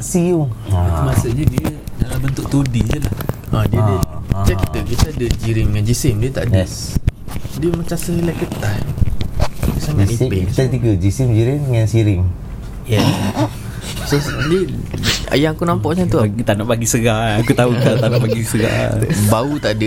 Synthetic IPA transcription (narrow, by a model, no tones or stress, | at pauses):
siʊŋaumasəʔɲədiədalambənt̪ʊk̚t̪odid͡ʒəlah | ə̃diədəd͡ʒakit̪əbiasadəd͡ʒiɾɪŋŋand͡ʒisɪmdiət̪a̰ʔdə | diəmət͡ʃasəilakət̪ah | isaŋanipeit̪at̪iɡəd͡ʒisɪmd͡ʒiɾɪŋŋansiɾɪŋ | jɛ | sodəa̰jaŋakunampɔʔsant̪ut̪anaʔpaɡisəɡakut̪aut̪at̪aʔnaʔbaɡisəɡa̰baut̪aʔdə